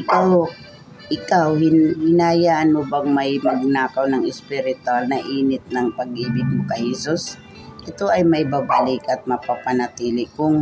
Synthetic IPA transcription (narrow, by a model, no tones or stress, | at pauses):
ʔɪkaw | ʔɪkawhɪnhɪnaːjaʔɐnobɐŋmajmɐɡ̚naːkawnɐŋɪspɪɾɪt̪ʊalnɐʔiːnɪt̪̚nɐŋpɐɡʔiːbɪɡ̪̚mʊkɐjhɛsus | kɪt̪oʔɐjmɐjbabalɪkɐt̪̚mɐpapanɐt̪iːlɪkʊŋ